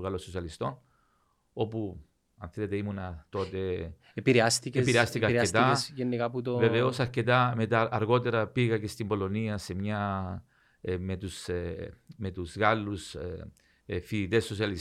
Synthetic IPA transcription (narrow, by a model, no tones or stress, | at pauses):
ɣɐlososiɐlist̪o̞n | o̞pu | ɐnθele̞t̪e̞imunɐt̪o̞t̪e̞ | epiɾeast̪ikepiɾeast̪ikɐɾest̪ɐsʝenːikaput̪ove̞ve̞o̞sɐɾce̞t̪ɐme̞t̪ɐːɾɣo̞t̪e̞ɾɐpiɣɐce̞st̪imbo̞lo̞niɐse̞mɲɐ | me̞t̪us | me̞t̪uzɣalːus | fiit̪e̞sːosiɐlis